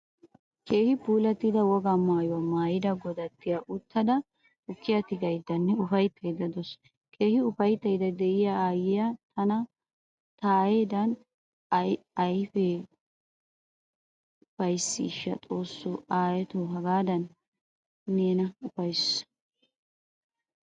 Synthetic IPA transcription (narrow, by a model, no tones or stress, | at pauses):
ke̞ːhɪpuːlɐt̪ːɪd̪ɐwɔɡamaːjʊwɐmaːjɪd̪ɐɡɔd̪ɐt̪ːɪjaʔʊt̪ːɐd̪ɐ | ʊkːɪjɐt̪ɪɡɐjd̪ɐnːɛʊfɐjt̪ʰːɐjd̪ɐd̪ɔs | kʰe̞ːhɪʊfɐjt̪ːɐjd̪ɐd̪ɛʔɪjaaːjɪjat̪ɐnɐ | t̪aːjed̪ɐn | ɐjfɛ | ʊfɐjsːḭʃːɐ̰t͡sʼo̞ːsːoʔaːjɛt̪oɦɐɡaːd̪ɐnː | eːnɐʊfɐjs